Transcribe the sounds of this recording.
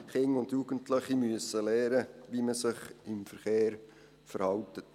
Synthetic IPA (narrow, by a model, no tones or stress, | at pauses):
χɪŋʊndjuɡ̥ən̩tləχimyəsːəlɛːɾəʋiməsɪχɪmfəɾχeːɾ | fəɾhɑwtət